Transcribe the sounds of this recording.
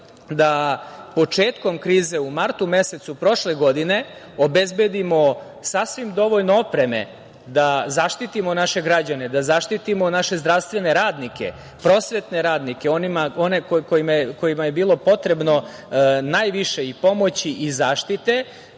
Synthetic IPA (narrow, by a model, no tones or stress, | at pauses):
d̪apo̞t͡ʂeːt̪ko̞mkɾiːze̞umaɾt̪ume̞se̞t̪supɾo̞ʃle̞ɡo̞d̪ine̞ | obezbe̞d̪imo̞ | sasʋimd̪o̞ʋoʎnoopɾe̞me̞̰ | d̪azaʃt̪it̪imo̞naʃe̞ɡɾad͡ʑane̞d̪azaʃt̪it̪imonaʃe̞zd̪ɾaʋst̪ʋe̞ne̞ɾaːd̪nike̞̰ | pɾo̞sʋe̞t̪ne̞ɾaːd̪nike̞o̞nimaonekokojimko̞jimaje̞biːlˠo̞po̞t̪ɾe̞bno̞ | naːjʋiʃe̞ipo̞mo̞t͡ɕiʔizaːʃt̪it̪e̞